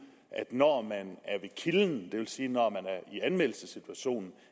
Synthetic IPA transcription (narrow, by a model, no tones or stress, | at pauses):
ʔæd̥nɒ̰mænæɐʋe̝kʰiln̩d̥e̝ʋe̝lsiːnɒmænæɐiænmel̰l̩səsit͡sʰuæɕo̝̰ːnn̩